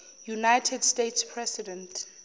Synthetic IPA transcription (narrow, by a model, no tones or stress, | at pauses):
junajtʰɛdstetspʰɹɛsidɛ̃ntʰ